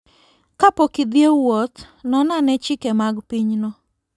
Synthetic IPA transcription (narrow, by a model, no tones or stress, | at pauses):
kapokid̪jewot̪ | nɔnanɛt͡ʃɪkɛmaɡpiɲnɔ